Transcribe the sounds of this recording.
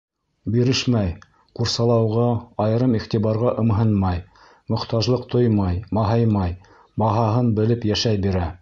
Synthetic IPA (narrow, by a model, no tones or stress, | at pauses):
biɾɘʃmæj | quɾsɑlˠɑwʁɑɑjɤ̆ɾɤmiχt̪iβɑɾʁɑʔɤ̆mɦɤnmɑj | mŏqt̪ɑʒlˠɤqt̪ojmɑjmɑɦɑjmɑj | bɑɦɑɦɤnbɘ̆lɘpjæʃæjbiɾæ